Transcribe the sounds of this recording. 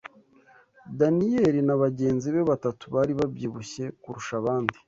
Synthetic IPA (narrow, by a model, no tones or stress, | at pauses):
danijeɾinaβaɟe̞ːnziβe̞βatatuβaːɾiβabjiːβuçe̞kuɾuʃaβaːndi